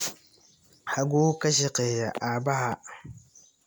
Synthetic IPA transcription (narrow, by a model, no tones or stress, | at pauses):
haɡukaʃiqejaʔabaɦa